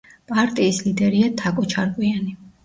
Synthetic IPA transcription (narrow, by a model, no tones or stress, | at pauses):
pʼaɾt̪ʼiːslid̪ɛɾiat̪ʰakʼɔt͡ʃʰaɾkʼwiani